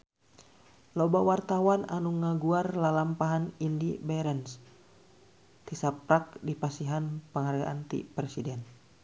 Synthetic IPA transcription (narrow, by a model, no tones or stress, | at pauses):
lobawart̪awananuŋaɡuarlalampaɦanindibɛɾɛns | t̪isap̚ɾak̚dipasiɦanpəŋarɡa̰ʔant̪ḭpɾɛsidɛn